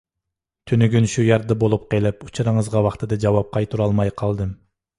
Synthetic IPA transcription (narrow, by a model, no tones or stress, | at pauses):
t̪ʰynyɡʲynʃujɑɾd̪ɑbolˠup̚qelɪput͡ʃʰɑɾɨŋəzʁɑwɑχt̪ʰɨd̪ɑd͡ʒɑwɑp̚qʰɑjt̪ʰuɾɑlˠmɑjqʰɑlˠd̪ɨm